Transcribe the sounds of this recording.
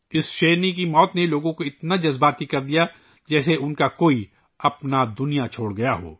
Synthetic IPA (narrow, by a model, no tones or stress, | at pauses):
ɪsʃeːnikimɔːt̪neloːɡõkoɪt̪nad͡ʒɐzbaːt̪ikɐɾd̪ija | d͡ʒɛːseʔʊnkakoːi | ɐpnad̪ʊnijat͡ʃʰoːɽɡɐjaɦo̰ː